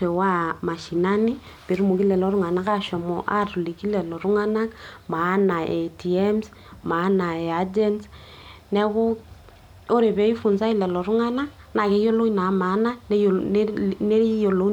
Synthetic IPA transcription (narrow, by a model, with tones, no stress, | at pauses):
e˨wa˦ma˨ʃi˨na˦ni˦ | pe˨ɾu˦mu˨ki˦lɛ˨lɔ˨˦ɾu˦ŋa˨na˦ka˦ʃɔ˨mɔ˨ʔa˦tu˨li˨ki˦lɛ˨lɔ˨ɾu˦ŋa˦na˦kma˨˦na˨e˨ti˨ɛ˦ms | ma˨˦na˨ɛ˨a˦d͡ʒɛ˦ns | nɛ˦βo˦ | o˦ɾe˨βɛ˨˦i˦fu˨nsa˦i˦lɛ˨lɔ˨ɾu˦ŋa˦na˦ | na˨ke˨˦jo˦lo˦na˨˦ma˨˦na˦n˨˦ne˦jo˨lo˦